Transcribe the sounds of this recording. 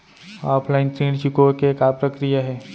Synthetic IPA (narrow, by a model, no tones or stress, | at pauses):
aːpʰlaɪnt̪ɾĩːɖt͡ʃʊkokekapɾəkɾijaɦɛː